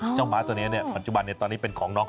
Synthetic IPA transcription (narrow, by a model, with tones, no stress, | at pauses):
t͡ɕa˥˩wmaː˦˥t̪u˧ni˦˥ni˥˩ɐpa˨˩t͡ɕu˨˩ba˧nːi˥˩t̪ɔː˧nːiː˦˥˩pe˧nkʰɔː˩˦ŋnɔː˦˥